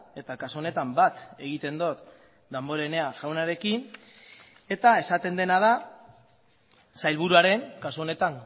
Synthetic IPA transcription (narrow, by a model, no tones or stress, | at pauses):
e̞t̪akasuo̞ne̞t̪ambat̪e̞ɣ̞it̪e̞nd̪ot̪ | d̪ambo̞ɾene̞aʝawnaɾe̞kin | e̞t̪ae̞sat̪e̞nd̪e̞nað̞a | sajlβ̞uɾuaɾe̞ŋkasuo̞ne̞t̪aŋ